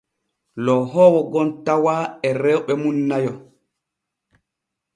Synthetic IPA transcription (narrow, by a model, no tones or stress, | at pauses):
lɔɦɔwɔɡɔntawaɛɾɛwɓɛmunːajɔ